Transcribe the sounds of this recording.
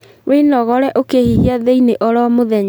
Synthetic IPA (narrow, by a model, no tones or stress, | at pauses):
wenɔɣɔɾɛʔokehiɦiaðeineʔɔɾɔmoðɛɲa